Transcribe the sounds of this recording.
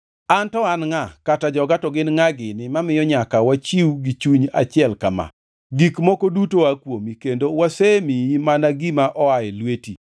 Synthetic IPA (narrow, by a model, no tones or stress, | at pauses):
antɔanŋakatad͡ʒɔɡatɔɡɪnŋaɡɪnɪmamɪjɔɲakawat͡ʃiwɡit͡ʃuɲa̰t͡ʃɪɛlkama̰ | ɡikmɔkodutoakwomikendowasemimanaɡimaʔɔajɛlweti